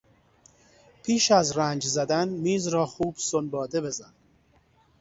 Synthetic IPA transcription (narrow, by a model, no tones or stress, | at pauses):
pʰiːʃæzɾænd͡ʒzæd̪ænmiːzɾɒːxuːb̥sonbɒːd̪e̞be̞zæn